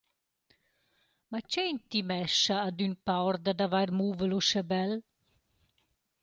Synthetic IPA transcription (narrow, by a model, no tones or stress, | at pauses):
mat͡ʃejnt̪imɛʃaːd̪ynpawɾd̪ad̪avajɾmuːvəluʃɛbɛl